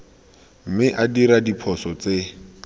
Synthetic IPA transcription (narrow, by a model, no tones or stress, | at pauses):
m̩mɪʔadiɾadipʰɔsɔt͡se